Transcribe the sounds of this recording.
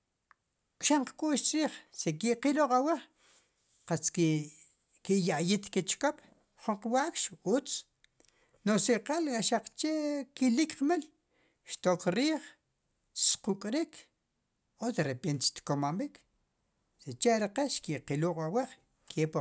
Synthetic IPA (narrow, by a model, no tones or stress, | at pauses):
kʃaɴqkʼuːʃt͡ʃɾiːχsekiʔqiluqʼaweχ | qat͡s | kijaʔjit̪ket͡ʃkop | χuɴqwaʔkʃut͡s | nosiqalkʼaʃaq͡χt͡ʃekilikqmel | ʃt̪okɾiːχ | squkʼɾik | ot̪ɾepent̪ʃt̪komambik | set͡ʃeʔɾeqeʃkiʔqiluqʼaweχ | kʰepa